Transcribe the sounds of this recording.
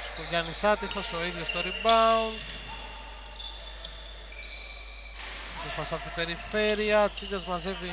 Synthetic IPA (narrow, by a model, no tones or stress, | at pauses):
st̪oʝɐnisɐt̪ixoso̞iðʝost̪oɾibɐund̪ | t̪ifɐsɐpot̪ipe̞ɾife̞ɾiɐt͡sizɐzmɐze̞vi